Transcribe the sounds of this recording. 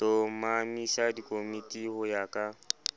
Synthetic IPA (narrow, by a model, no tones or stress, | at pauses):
tomamisadikʼomitʼihʊjakʼa